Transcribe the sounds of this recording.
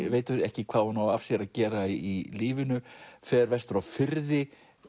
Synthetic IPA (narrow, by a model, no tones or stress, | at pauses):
veːjt̪ʏɾɛhcɪkʰv̥aːðhunawafsjɛɾaðcɛːɾaiiliːvɪnʏfɛːðɾvɛst̪ʏɾawfɪɾðɪ